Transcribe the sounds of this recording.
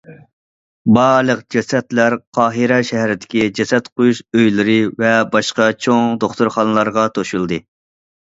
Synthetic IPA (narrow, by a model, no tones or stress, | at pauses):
bɑɾlˠəqd͡ʒɛsɛt̪læɾqʰɑːɦɨɾɛʃɛɦɾɪd̪ɪ̥kʲid͡ʒɛsɛt̪qʰojuʃøjlɪɾɨvɛbɑʃqɑt͡ʃʰoŋd̪oχt̪uɾχɑnɨlˠɑɾʁɑt̪ʰoʃulˠd̪ɨ